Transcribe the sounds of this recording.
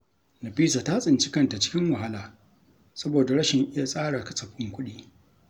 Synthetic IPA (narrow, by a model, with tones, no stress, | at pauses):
nɐ˨ɸiː˦sa˨ta˦sʼɪ˨nt͡ʃɪ˦kɐ˨nta˨t͡ʃɪ̥˦kʲɪ˦ŋwɐ˨ɦa˦laː˨ | sɐ˦boː˨da˨ɽɐ˦ʃɪ˨ŋʔɪ˦ja˦sʼaː˦ɽa˨kɐ̥˦sɐ˨ɸʊ˦ŋkʷʊ˦ɗiː˦